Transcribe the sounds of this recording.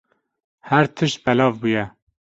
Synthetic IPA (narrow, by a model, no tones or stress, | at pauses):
hæɾt̪ʰɨʃt̪̚bɛlɑːvbuːjɛ